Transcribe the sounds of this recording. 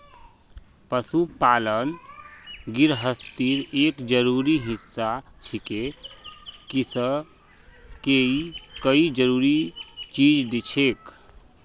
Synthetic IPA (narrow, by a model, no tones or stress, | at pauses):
pəsupalən | ɡiɾɦəst̪iɾekd͡ʒəɾuɾiɦisːat͡ʃʰike | kisə | keikəid͡ʒəɾuɾit͡ʃid͡ʒd̪it͡ʃʰek